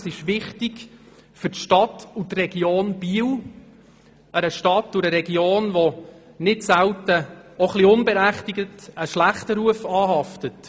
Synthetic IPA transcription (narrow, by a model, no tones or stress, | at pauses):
sɪʃʋɪχtɪkfʏɾtʃtɑtutrɛɡjoːnb̥iːw | əɾəʃtɑtːʊɾəɾɛɡioːnʋɔ | nɪtsæwtəoχliʊnbɛɾæχtiɡətəʃlæχtəɾuəfɑːɦɑftət